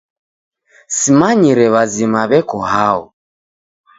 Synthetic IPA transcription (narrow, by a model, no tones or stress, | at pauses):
simaɲiɾɛβazimaβɛkɔhaɔ̰